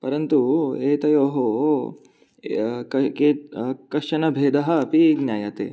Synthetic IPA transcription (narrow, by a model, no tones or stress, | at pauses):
pɐɾɐnt̪ueːt̪ɐjoːɦo | ɐkeːkɐʂɐnɐbʱeːd̪ɐɦɐpiɡnʲjaːjɐt̪ḛː